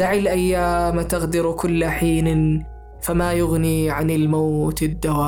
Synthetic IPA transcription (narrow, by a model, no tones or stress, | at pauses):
aʕilʔajːaːmt̪ɪɣd̪ɪɾkʊlːaħiːn | famajʊɣniʕanɪlmawt̪ɪd̪ːawaː